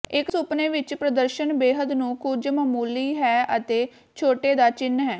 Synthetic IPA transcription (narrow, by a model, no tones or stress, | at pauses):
ɪksʊpneːʋɪt͡ʃpɾəd̪əɾʃənbeːɦəd̪nũːkʊd͡ʒməːmuːliːɦɛːət̪eː | t͡ʃʰoːʈeːd̪aːt͡ʃɪnːɦɛː